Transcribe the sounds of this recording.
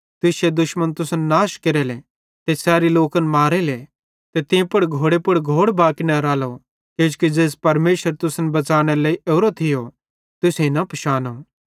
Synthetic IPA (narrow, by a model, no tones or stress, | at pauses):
t̪ɪsed̪ʊʃmənt̪ʊsnːaːʃkeɾɛle | t̪esɛːɾiloːkɐnmaːɾele | t̪et̪ɪ̃pʊɽɡʱoːɽepʊɽɡʱoːɽbaːkinɐɾaːlo | keːd͡ʒkid͡ʒeːs̬pɐɾmeːʃəɾt̪ʊsnbɐt͡ʃaːɽ̃eleiʔoːɾot̪ʰɪjo | t̪ʊseĩnɐpɐʃaːnoː